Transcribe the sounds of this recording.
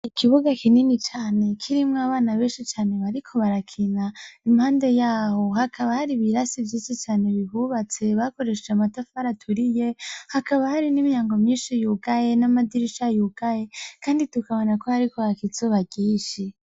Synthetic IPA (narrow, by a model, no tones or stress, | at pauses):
ikʰiβuɡakʰininit͡ʃaːne̞kʰiɾimŋaβaːnaβeːʃit͡ʃaːne̞βaɾikʰo̞βaɾakʰinaimhaːnde̞jaːho̞hakʰaβahaɾiβiɾasivjisit͡ʃaːne̞βiɦuβat͡se̞βako̞ɾe̞ʃeamatafaɾatʰuɾijehakaβahaɾinimijaːŋɡomɲiːnʃijuɡaje̞namadiɾiʃajuɡ̥aje̞kʰaːnditukaβo̞nakohaɾikohakit͡soβaɡiːʃi